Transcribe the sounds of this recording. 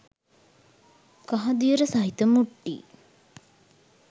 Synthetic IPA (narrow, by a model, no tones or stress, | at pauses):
kaɦɐd̪ijəɾəsɐɦit̪əmuʈːḭː